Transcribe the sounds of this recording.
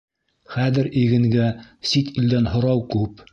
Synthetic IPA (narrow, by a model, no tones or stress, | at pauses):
χæðɘ̆ɾiɡɘ̆ŋɡæsit̪ild̪ænɦŏɾɑwkʉp